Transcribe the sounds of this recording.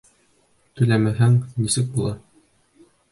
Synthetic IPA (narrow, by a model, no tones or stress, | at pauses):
t̪ɵ̆læmæɦæŋnisɘk̚bulˠɑ